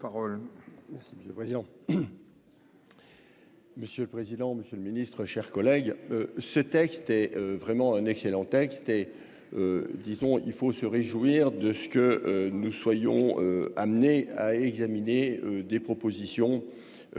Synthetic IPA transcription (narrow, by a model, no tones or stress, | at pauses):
paʁɔlmɛsiməsjøləpχezid̪ɑ̃ | məsjøləpχezid̪ɑ̃məsjøləminist̪χəʃɛʁkɔlɛɡøsət̪ɛkst̪ɛøvʁɛmɑ̃ɛ̃nɛkselɑ̃t̪ɛkst̪ɛ | ød̪izɔ̃ilfosəʁeʒwiʁd̪əsə̥kəønuswajɔ̰̃øamneaɛɡzamineød̪epχɔpozisjɔ̃